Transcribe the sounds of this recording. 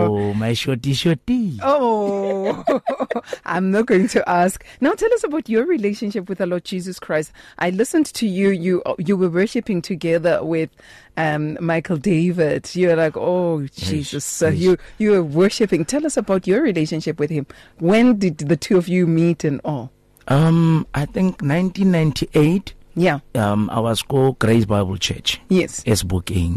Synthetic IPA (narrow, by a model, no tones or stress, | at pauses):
omaɪʃɔt̚iʃɔt̚b̥io | ʔã̰ɪ̃mnət̚ɡ̥oʊɪ̃ŋtʰɨʔæsknaʊtʰɛlˠʌsəbaʊtə˞ɹileɪʃɨ̃nʃɪpwɨðəlɔd̚d͡ʒizəskʰɹ̥aɪstʔaɪlɪsɨ̃ntʰɨjɨjɨʔjɨwə˞wɜ˞ʃɨpɪ̃ŋtʰɨɡɛðə˞wɪð̥ | ʌ̃mmaɪkʰəl̩ˠdeɪvɪd̥jɨə˞laɪkod͡ʒizəsjujɨwəwɜ˞ʃɨpɪ̃ŋtʰɛlˠʌsəbaʊtə˞ɹileɪʃɨ̃nʃɪpwɨð̥ɪ̃m | wɛ̃ndɨdðɨtʰuɔvjɨmitɨ̃nɔlˠ | ʔamʔaɪθɪ̃ŋknãj̃ntĩnːãjntʰiʔetʰjaama̰wazkɔɡ̥ɾesbaɪbəlt͡ʃʰɛ̰t͡ʃjɛsɛsbukḭ̃ŋ